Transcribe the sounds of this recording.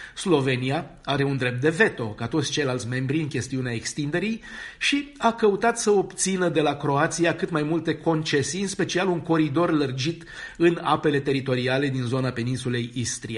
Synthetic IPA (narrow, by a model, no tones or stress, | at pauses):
slo̞ve̞nija | aɾe̞und̪ɾe̞p̚t̪̚d̪e̞ve̞t̪o̞kat̪ot̪sʲt͡ʃe̞jlalt̪sʲmẽ̞mbɾiɨŋkʲe̞st̪iuneaekst̪ind̪e̞ɾijʃiakəut̪at̪səo̞bt̪sinəd̪e̞lakɾo̞at̪sijakɨt̪majmult̪e̞ko̞nt͡ʃe̞siɨnspe̞t͡ʃialuŋko̞ɾid̪o̞rlərd͡ʒit̪ | ɨna̰pe̞le̞t̪e̞ɾit̪o̞ɾiale̞d̪inzo̞nape̞ninsule̞jist̪ɾie